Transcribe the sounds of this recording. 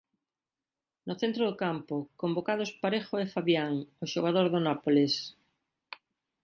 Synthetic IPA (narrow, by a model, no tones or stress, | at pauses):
nʊθent̪ɾoðokampokombokað̞ospaɾeχoefaβjaŋoʃoɣ̞aðoɾðʊnapoles